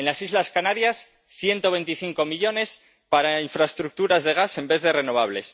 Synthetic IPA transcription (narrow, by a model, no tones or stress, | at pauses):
enlasizlaskanaɾjas | θjent̪o̞βe̞jnt̪iθiŋko̞miʎo̞ne̞s | paɾaiɱfɾaest̪ɾuk̚t̪uɾazðe̞ɣ̞ase̞mbe̞θðe̞re̞no̞β̞aβ̞le̞s